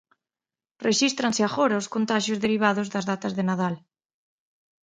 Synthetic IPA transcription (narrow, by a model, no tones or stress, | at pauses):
reʃist̪ɾãnseaɣoɾaoskont̪aʃjozðeɾiβ̞aðozðazðat̪azðenað̞al